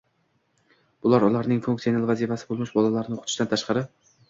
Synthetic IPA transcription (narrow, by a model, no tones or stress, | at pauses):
b̥ʊlaɾʊlˠaɾnɪŋfuŋk̚sijonalˠvazifasɪ̥bolˠmɪʃbɒlalaɾɪnɪoqʰʊt̪ʰɪʃd̪ant̪ʰaʃqɑɾɪ